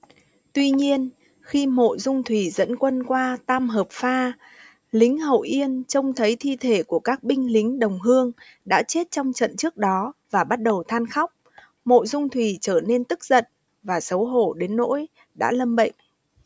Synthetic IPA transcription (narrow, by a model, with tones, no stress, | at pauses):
t̪wi˧ɲi˧ən | xi˧mo̰˧˨jzʊ˧ŋ͡mt̪ʰwi˧˩zə̰˧˥nkwə˧nkwaː˧t̪aː˧mɦəː˨˩p̚faː˧ | lï˨˦ŋ̟ɦə̰˧˨wʔi˧ənt͡ɕə˧wŋ͡mt̪ʰə˨˦jt̪ʰi˧t̪ʰe˧˩ku˧˩əkaː˦˥k̚ɓï˧ŋ̟lï˨˦ŋ̟ɗə˨˩wŋ͡mɦɨ˧əŋ | ɗa̰ː˧˥t͡ɕe˦˥t̚t͡ɕɔ˧wŋ͡mt͡ɕə̰˧˨nt͡ɕɨ˦˥ək̚ɗɔ˨˦vaː˨˩ɓa˦˥t̚ɗə˨˩wt̪ʰaː˧nxa˦˥wk͡p̚ | mo̰˧˨jzʊ˧ŋ͡mt̪ʰwi˧˩t͡ɕəː˧˩ne˧nt̪ɨ˦˥k̚zə̰˧˨n | vaː˨˩sə˨˦wɦo̰˧˩˨ɗe˨˦nːo̰˧˥j | ɗa̰ː˧˥lə˧mɓə̰˧˨jŋ̟